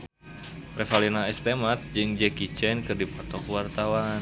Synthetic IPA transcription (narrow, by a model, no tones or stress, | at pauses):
prɛfalinaɛst̪emat̪̚d͡ʒɨŋd͡ʒɛkit͡ʃɛnkɨrdipɔt̪ɔkwart̪awan